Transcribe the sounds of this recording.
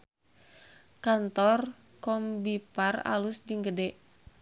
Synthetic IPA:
kant̪ɔr | kɔmbipara̰lusd͡ʒɨŋɡədɛʔ

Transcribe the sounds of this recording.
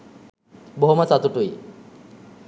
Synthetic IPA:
boɦomasat̪oʈuj

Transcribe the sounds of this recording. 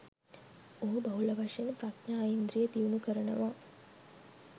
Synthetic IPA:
oɦɐbɐɦulɐʋɐʂenpɾaknaːjind̪ɾijet̪iunukəɾəɳɐ̰ʋa

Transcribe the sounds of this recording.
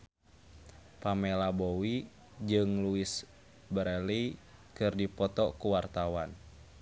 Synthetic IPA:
pamɛlabowi | d͡ʒɨŋluis | bəɾɛlikɨrdipɔt̪ɔkuwart̪awan

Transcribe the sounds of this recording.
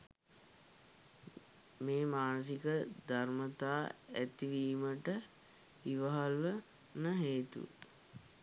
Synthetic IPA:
meːmaːnəs̬ikəd̪ʱarmət̪aːæt̪iʋiːməʈə | iʋəɦalʋə | nəɦeːt̪ṵ

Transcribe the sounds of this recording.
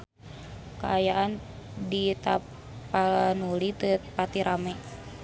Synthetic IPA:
kaajaʔandit̪a̰ | panulit̪əpat̪iɾʔamɛ

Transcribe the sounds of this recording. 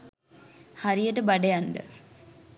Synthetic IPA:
haɾijəʈəbaɖejanɖə̰

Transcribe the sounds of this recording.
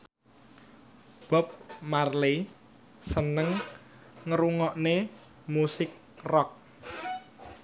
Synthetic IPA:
b̥ɔ̤p̚marle | sənəŋ | ŋəɾuŋɔʔne | musɪk̚ | rɔk̚

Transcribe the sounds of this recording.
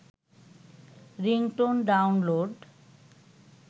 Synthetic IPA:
ɾiŋʈonɖawnloɖ

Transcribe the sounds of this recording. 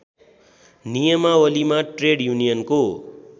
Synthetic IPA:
nijəmawəlimaʈɾeɽjunijənko

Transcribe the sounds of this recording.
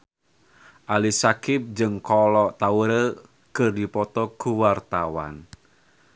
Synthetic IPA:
ʔalisakɪp̚d͡ʒɨŋkɔlɔʔt̪auɾə | kɨrdipɔt̪ɔkuwart̪awa̰n

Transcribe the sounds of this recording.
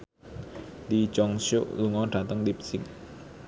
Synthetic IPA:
d̪it͡ʃɔŋʃuʔluŋɔɖ̥ä̤t̪əŋlip̚sɪk̚

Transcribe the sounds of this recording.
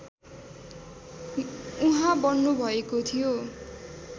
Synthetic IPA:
uɦãbʌnːubʱʌekot̪ʰijo

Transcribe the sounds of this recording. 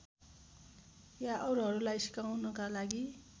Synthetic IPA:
jaʔʌɾuɦʌɾulajsi̥kawnʌkalaɡi

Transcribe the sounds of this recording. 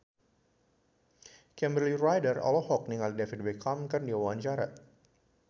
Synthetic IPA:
kɛmbɾlirajdərɔ̰lɔhɔk̚niŋaldɛfit̪̚bɛkamkɨrndiawaaɲt͡ʃaɾa̰t̪̚

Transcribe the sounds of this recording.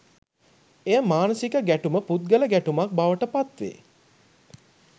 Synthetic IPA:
ejəmaːnəsikəɡæʈuməput̪̚ɡələɡæʈumak̚baʋəʈəpat̪ʋḛː

